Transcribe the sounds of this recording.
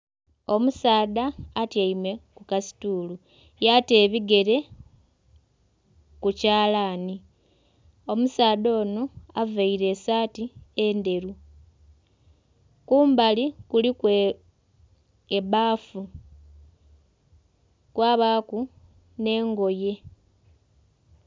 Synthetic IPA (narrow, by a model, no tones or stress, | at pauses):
o̞musaːdaːtjaimwe̞kukasi̥tuːlu | jate̞ːβiɡe̞ɾe̞ | kucaːlaːni | o̞musaːdo̞ːnoavaiɾe̞satiende̞ɾu | kuːmbalikulikwe | eβaːfu | kwaːβaːku | ne̞ːŋɡo̞je̞